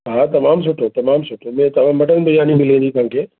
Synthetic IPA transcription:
ɦaːt̪ɐmaːmsʊʈʰot̪ɐmaːmsʊʈʰomẽt̪ɐʋ̤ãːmːɐʈənbʱɐjaːnimɪlẽːnd̪it̪ʊãkʰeː

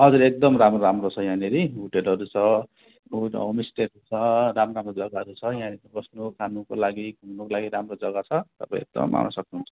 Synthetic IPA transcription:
ʌd͡zuɾek̚d̪ʌmramroɾamrot͡sʰʌjãneɾiuʈelʌɾut͡sʰʌ | uomisʈeʈut͡sʰʌɾamramrod͡zʌɡaɦʌɾut͡sʰʌjãneɾibʌsnokʰanukolaɡiɡʱumnokolaɡiɾamrod͡zʌɡat͡sʰʌt̪ʌpã̰ḭ̃ḛk̚d̪ʌ̰mma̰nʌ̰sʌk̚nuɦunt͡sʰʌ̥

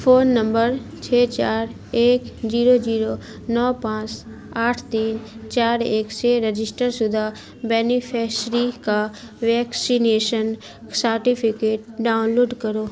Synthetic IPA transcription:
pʰoːnːə̃mbəɾt͡ʃʰeːt͡ʃaːɾ | eːkd͡ʒiːɾod͡ʒiːɾo | nɔːpãːt͡ʃ | aːʈʰt̪iːnt͡ʃaːɾeːkseɾəd͡ʒɪsʈəɾsʊd̪ʱa | bɛːnipʰɛːsɾika | ʋɛːksineːʃən | səɾʈipʰɪkeːʈ̚ɖaːʊnloːɖkəɾoː

